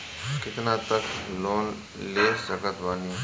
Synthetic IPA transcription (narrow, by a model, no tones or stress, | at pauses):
kɪt̪nat̪əkloːn | leːssəkət̪baːniː